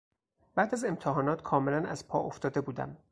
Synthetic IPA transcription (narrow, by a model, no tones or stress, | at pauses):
b̥æːd̪æze̞mt̪ʰeɦɒːnɒːt̪kʰɒːme̞lænæz̥pʰɒːʔoft̪ɒːd̪e̞buːd̪æ̰m